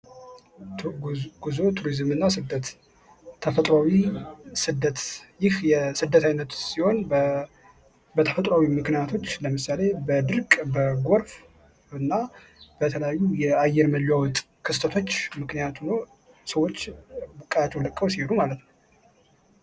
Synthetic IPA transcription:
ɡ̥uzo̞t̪ʰuɾizɨmɨnːasɨd̪ət̪ʰː | əfət̪ʼɾawisɨd̪ːət̪jɪhjɛsɨd̪ːət̪ʰajnət̪siho̞n | bət̪ʰəfət̪ʼɾawimɨknijat̪ʰo̞t͡ʃːləmɨsale̞bəd̪ɨɾkʼbəɡoɾf | ɨnːa | b̥ət̪ʰələjajːujɛajːɛɾməlawɔt̪ʼ | kʰɨst̪ʰət̪ʰo̞t͡ʃːmɨknijat̪ʰuno | səwːo̞t͡ʃːbɨkʼajat̪ːɛwləkʼːəwsieɾumalət̪nəw

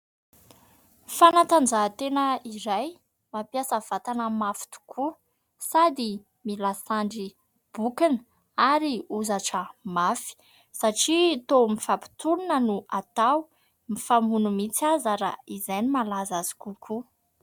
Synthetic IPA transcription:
fanat̪and͡ʒat̪enəiɾaj | mapjasəv̥at̪anəmafi̥t̪u̥kʰu | sad̪i | milasaɳɖ͡ʐi | b̥ukinə | aɾiuzaʈ͡ʂəmafi̥ | saʈ͡ʂit̪omifapi̥t̪uɾinənuat̪aw | mifamunumit͡siazəɾaizajnimalazazi̥kukʰu

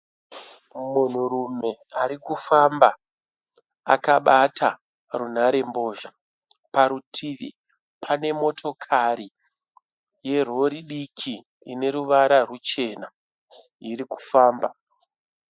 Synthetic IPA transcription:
mun̤uɾume̞aɾikufamba | a̰kaɓatʰa | run̤aɾe̞mbo̞ːʒa | paɾutʰiʋḭ | pʰane̞mo̞tʰo̞kʰaɾi | je̞r̤o̞ɾiɗikʰi | ine̞ɾuʋaɾarut͡ʃe̞na | iɾiku̥faːmba

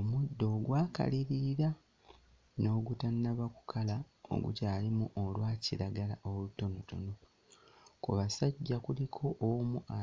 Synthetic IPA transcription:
omudːo̞ːɡwaːka̰liɾiɾa | no̞ːɡutanaβaku̥kʰalao̰ɡṵcaːlimuʔolwaːciɾaɡalaʔoluto̞noto̞̰no̞ | kuβasaɟːakulikʰo̞ʔːmuʔa

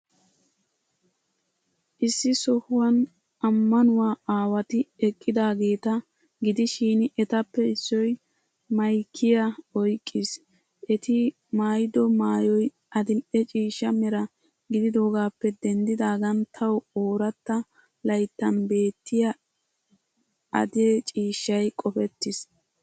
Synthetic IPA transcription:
ʔɪsːɪsɔhʊwɐn | ɐmːɐnʊwaːaːwɐt̪ɪɛkʼːɪd̪aːɡe̞ːt̪ɐ | ɡɪd̪ɪʃiːnɪʔɛt̪ɐpːɛɪsːɔj | mɐjkʰːɪjɐɔjkʼːɪs | ʔɛt̪ɪ | maːjɪd̪ɔmaːjɔj | ɐd̪ɪmʔɛt͡ʃʼiːʃːɐmɛɾɐ | ɡɪd̪ɪd̪o̞ːɡaːpːɛd̪ɛnd̪ɪd̪aːɡɐnt̪ʰɐwoːɾɐt̪ːɐ | lɐjt̪ːɐnbe̞ːt̪ːɪjɐ | ɐ̰d̪et͡ʃʼiːʃːɐjkʼɔfɛt̪ːɪs

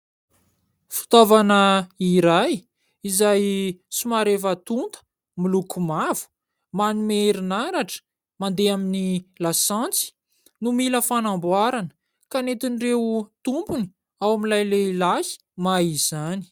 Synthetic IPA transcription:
fi̥t̪ovanəiɾaj | izajsimaɾevat̪unt̪ə̥ | milukumavu̥ | manimeɾinaɾaʈ͡ʂə̥ | mand̪eaminilasant͡si̥ | numiləfanambwaɾanə̥ | kanet̪inirewt̪umpuni̥ | awamilajleilahi̥ | maiz̥ani̥

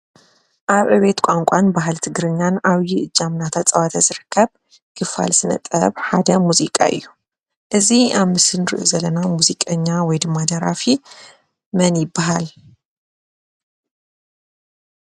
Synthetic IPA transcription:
ʔaβʔɨβe̞t̪kʷʼaŋkʷʼanbaɦalt̪ʰɨɡɾɨɲːanaβjiʔɨd͡ʒːamnat̪ʰat͡sʼɐβat̪ʰazɨɾɨkːɐβ | kʰɨfa̰lsɨnɐ̰t̪ʼːɐ̰βħad̪ɐmuzikʼa̰ʔɨ̰jːu | ʔɨziʔaβmɨsɨnɨɾɨʔuzɐlɐnamuzikʼɐɲːawɔjd̪ɨmːad̪ɐɾafi | mɐnjɪbːaɦal

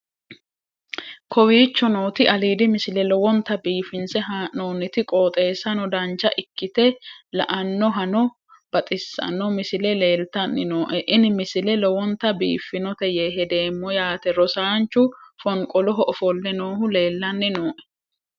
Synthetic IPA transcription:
kʰɔwiːt͡ʃːɔnoːt̪ɪʔɐliːd̪ɪmɪsɪlɛlɔwɔnt̪ɐbiːfɪnsɛɦanoːnːɪt̪ɪkʼoːt̪ʼe̞ːsːɐnɔd̪ɐnt͡ʃːɐʔɪkːɪt̪ɛlɐ̰ʔɐnːɔɦɐnɔ | b̥ɐt̪ʼɪsːɐ̰nɔmɪsɪlɛle̞ːlt̪ɐnːɪnoːʔɛʔɪnɪmɪsɪlɛlɔwɔnt̪ɐbḭːfːɪnɔt̪ɛjeːɦɛd̪e̞ːmːɔjaːt̪ɛɾɔsaːnt͡ʃːʊfɔŋkʼɔlɔɦɔʔɔfɔlːɛnoːhʊle̞ːlːɐnːɪnoːʔɛ̥

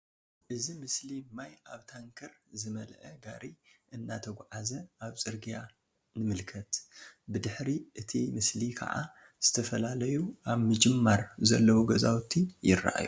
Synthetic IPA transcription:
ʔɨzimɨslimajaβt̪ʰaŋkʰɐɾzɨmɐlʔɐɡa̰ɾiʔɨnːat̪ʰɐɡʷʕazɐʔaβt͡sʼɨɾɡija | nɨmɨlkʰɐt̪bɨd̪ɨħɾiʔɨt̪ʰimɨslikʰɐ̰ʕa̰ | z̥ɨt̪ʰɐfɐlalɐjuʔaβmɨd͡ʒɨmːaɾzɐlːɐwuɡɐzawt̪ʰːijɪ̰rːa̰ʔa̰ju

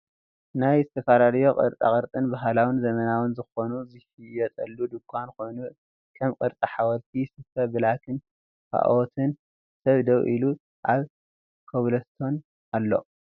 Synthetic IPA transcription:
najzɨt̪ʰɐfaɾaljo̞qʼɨ̰ɾt̪ʼa̰kʼɨɾt̪ʼɨnbaɦalawɨnzɐmɐnawɨnzɨxo̞nuzɨhijɛt̪ʼɐlːud̪ɨkʰʷːanko̞jnu | kʰɐmkʼɨɾt̪ʼɐħawɐlt̪ʰisɨfɐbɨlakʰɨn | kʰa̰ʔwot̪ʰɨn | sɐβd̪ɐwʔilu | ʔʕaβ | kʰɐβlɐst̪ʰo̞n | alːo̞̰

